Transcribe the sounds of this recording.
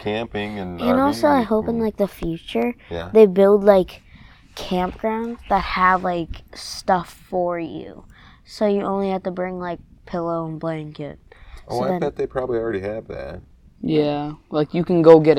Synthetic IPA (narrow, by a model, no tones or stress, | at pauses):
kʰæ̃mpɪ̃ŋɨ̃nɨ̃nɔlˠsoʊaɪɦoʊpɪ̃nlaɪk̚ðəfjʉt͡ʃə˞jæ̰ðeɪbɪlˠdˡlaɪkʰ | æ̃mp̚ɡ̥ɹãʊ̃ndzðət̚həvlaɪkstʌfə˞jʉ̰ | soʊjɨʔõʊ̃nlihæftɨbɹɪ̃ŋlaɪk̚pʰɪlˠoʊə̃nblæ̃nkɪ̰t̚ʔosoʊaɪðɨ̃θɔt̪̚ðeɪpʰɹ̥ɑbəblil̩ˠɹɛɾiɨvðæ̰t̚ | jælaɪkjɨkɨ̃n̩ɡoʊɡɛɾ